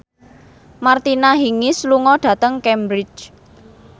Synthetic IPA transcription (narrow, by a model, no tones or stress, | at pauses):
mart̪inaɦiŋɪsluŋɔɖ̥ä̤t̪əŋkɛmbɾɪ̥d͡ʒ